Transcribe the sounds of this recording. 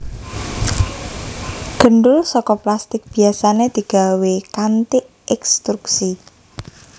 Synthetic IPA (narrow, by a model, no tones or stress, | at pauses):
ɡ̥ə̤ɳɖʊlsɔkɔplast̪ɪk̚b̥i̤asaned̪̥i̤ɡ̥a̤wekant̪ɪʔ | ɛkst̪ɾuksi